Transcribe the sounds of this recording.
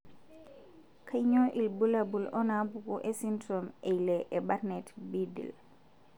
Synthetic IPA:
kʰajɲɔʔilbulabulɔnabuɡuʔɛsintɾɔmɛjlɛʔɛbaɾnɛtbidḭl

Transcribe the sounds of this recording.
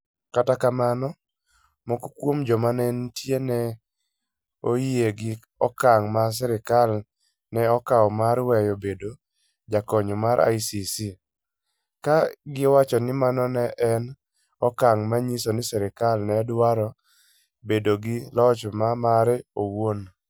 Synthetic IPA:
katakamanɔ | mokokwomd͡ʒɔmanɛntjenɛ | oieɡɪ | ɔkaŋmas̬ɛɾɪkal | nɛɔkaɔmaɾwɛjobedo | d͡ʒakɔɲomaɾʔa̰jsisi | kaɡɪɔwat͡ʃɔnɪmanɔnɛʔɛn | ɔkaŋmaɲisonɪsɛɾɪkalnɛdwaɾɔ | bedoɡɪlɔt͡ʃmamaɾɛowon

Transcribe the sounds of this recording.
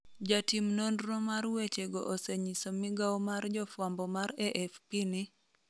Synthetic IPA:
d͡ʒatimnondrɔmarwet͡ʃeɡɔʔoseɲisomiɡaɔmard͡ʒɔfwambɔmaɾeʔɛfpini

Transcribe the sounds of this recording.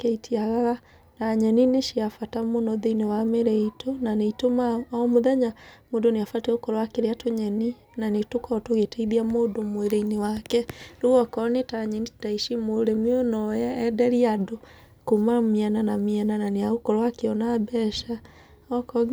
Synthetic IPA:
kɛitʰiaɣaɣa | naɲɛnineʃiafatamonɔðeinewameɾɛitonaneitomaɔmoðɛɲamodoneafatɛokɔɾɔwakeɾeatoɲɛni | nanetokɔtoɣetɛiðiamodomoeɾeinewakɛɾuɣɔkɔnetaɲɛnitaiʃimoɾemeɔnɔjɛɛdɛɾiado | komamiananamiɛnananeaokɔɾɔwakeɔnabɛʃa | ɔkɔ

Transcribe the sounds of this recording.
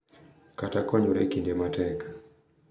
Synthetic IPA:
katakɔɲuɾɛkindɛmatɛk

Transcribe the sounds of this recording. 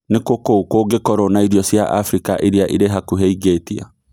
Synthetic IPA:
nekokokoɡekɔɾɔnaiɾjɔsjaʔafɾikaʔeɾiaʔiɾeɦakuɦɛiɣeːtia̰

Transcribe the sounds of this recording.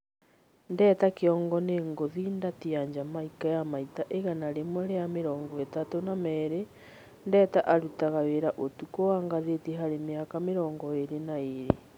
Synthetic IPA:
ndɛːtakeɔŋɡɔneːŋɡoðindatiaɲd͡ʑamaikajamaitaʔeɣanaɾemoɾeameɾɔːŋɡɔetatonamɛːɾe | ndɛːtaʔaɾutaɣaweɾaʔotukowaːŋɡaðeteɦaɾemeakameɾɔːŋɡɔeɾenaeɾe

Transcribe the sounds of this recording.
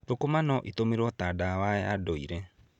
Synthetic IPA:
tokomanɔʔitomeɾwɔt̪aːdawaɛadɔiɾɛ

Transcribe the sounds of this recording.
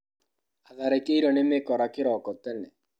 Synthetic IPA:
aðaɾekeiɾɔnemekɔɾakeɾɔkɔtɛnɛ

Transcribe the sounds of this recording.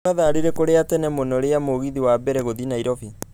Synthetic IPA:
aðaɾiɾekoɾeatɛnɛmonɔɾeamoɣiðiwabɛɾɛɣoðinaiɾɔfi

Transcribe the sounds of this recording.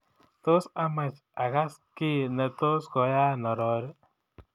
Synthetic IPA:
t̪ɔsamat͡ʃ | aɣaskinət̪osɡɔjanɔɾɔɾ

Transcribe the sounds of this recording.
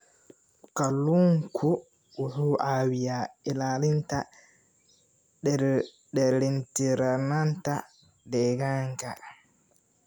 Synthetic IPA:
kaluŋkʰu | uhuʔawijaɛlalinta | ɗɛɾ | ɗɛɾintiɾananta | dɛɡaŋka̰

